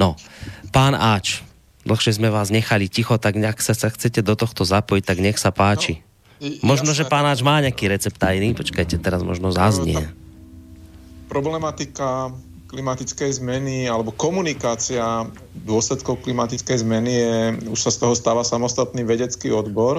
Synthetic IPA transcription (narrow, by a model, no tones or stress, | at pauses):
nɔpaːnaːt͡ʃ | d̪l̩xʃɛzmɛʋaːzɲɛxalicixɔt̪aɡaksasaxt͡sɛcɛd̪ɔt̪ɔxt̪ɔzapɔjic̚t̪aɡɲɛxsapaːt͡ʃi | mɔʒnɔʒɛpaːnaːd͡ʒmaːɲɛakiːɾɛt͡sɛp̚t̪ajnipɔt͡ʃkajcɛt̪ɛɾazmɔ̰ʒnɔzazɲɪɛ | pɾɔblɛmat̪ika | klimat̪it͡skɛjzmɛnialɛbɔkɔmunikaːt͡sia | d̪ʊɔslɛt̪kɔʊklimat̪it͡skɛjzmɛnijɛuʃsast̪ɔɦɔst̪aːʋasamɔst̪at̪niːʋɛɟɛt͡skiɔd̪bɔɾ